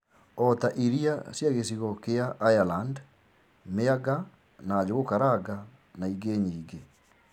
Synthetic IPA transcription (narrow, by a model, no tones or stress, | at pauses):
ɔtaʔiɾiasjaɣes̬iɣɔkeaʔːjaland | meaɡa | naːd͡ʑoɣokaɾaɡa | naiɡeɲiːɡe